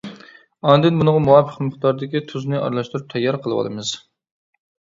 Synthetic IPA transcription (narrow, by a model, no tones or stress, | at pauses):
ɑnd̪ɨnbunəʁɑmuwɑpʰəqmɨχt̪ɑɾd̪ɪkʲit̪ʰuznɨʔɑ̰ɾlˠɑʃt̪uɾup̚t̪ʰɛjːɑɾqʰəlˠɨwɑ̰lˠɨmɨz̥